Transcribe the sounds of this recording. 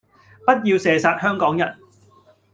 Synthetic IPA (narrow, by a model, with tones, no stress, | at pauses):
pɐ˥t̚jiː˧wsɛː˨saː˧t̚hœː˥ŋkɔː˨˥ŋjɐ̰˨˩n